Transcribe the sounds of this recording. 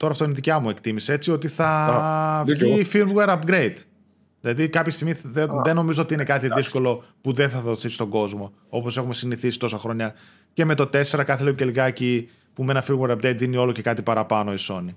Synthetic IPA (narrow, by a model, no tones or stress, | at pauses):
t̪o̞ɾɐft̪o̞iniðicɐmue̞kt̪imisee̞t͡sio̞t̪iθɐ | ʝifilweɾɐpɡɾe̞jd̪̥ | ðilɐðikɐpçest̪iɣmieðeno̞mizoo̞t̪iine̞kɐt̪iðisko̞lo̞puðenθɐðoθist̪o̞ɡo̞zmo̞ | o̞po̞se̞xume̞siniθisi̥t̪o̞sɐxɾo̞ɲɐ | ce̞me̞t̪o̞t̪e̞se̞ɾɐkɐθeleuceliɣɐci | pumenɐfiweɾɐp̚ɡɾe̞jd̪ðinio̞loce̞kɐt̪ipɐɾɐpɐno̞iso̞ni